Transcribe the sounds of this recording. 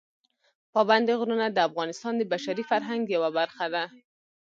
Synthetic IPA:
pɑband̪eɣɾunad̪əafɣɑnɪst̪ɑnd̪əbaʃaɾifaɾɦaŋɡjawabaɾxad̪a

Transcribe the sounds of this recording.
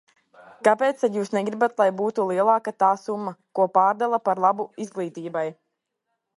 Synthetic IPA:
kapeːt̪st̪ad̪juːsnɛɡɾibat̪lˠajbuːt̪ulˠiɛlˠaːkat̪aːsumːakuɔpaːɾd̪alˠapaɾlˠabuizɡlˠiːt̪iːbaj

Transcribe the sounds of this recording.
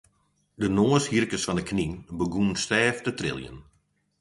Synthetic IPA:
dənoəshirkəsfɔndəkʰninbəɡunstɛːftətrɪ̰lˠjə̰n

